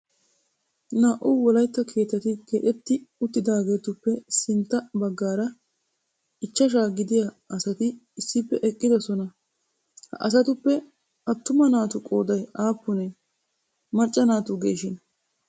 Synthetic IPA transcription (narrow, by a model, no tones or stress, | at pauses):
naːʔuːwɔlɐjt̪ːɐkʰe̞ːt̪ːɐt̪ɪkeːᶑɛt̪ːɪʊt̪ːɪd̪aːɡe̞ːt̪ʊpːɛsɪnt̪ːɐbɐɡːaːɾɐ | ɪt͡ʃːɐʃ̬aːɡɪd̪ɪja | ɐsɐt̪ɪːsːɪpːɛʔɛkʼːɪd̪ɔsɔnɐ | hɐʔɐ̰s̬ɐt̪ʊpːɛ | ɐt̪ːʊmɐnaːt̪ʊkʼo̞ːd̪ɐjaːpːʊnɛ | mɐt͡ʃʼːɐnaːt̪ʊɡe̞̰ːʃɪn